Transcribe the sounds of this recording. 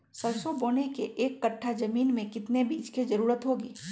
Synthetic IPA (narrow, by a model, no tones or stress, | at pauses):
sɐlsoboːnekeʔeːkːɐʈʰːad͡ʒɐmiːnmẽkɪt̪nebʱiːd͡ʒkizɐɾuːɾət̪ɦoːɡiː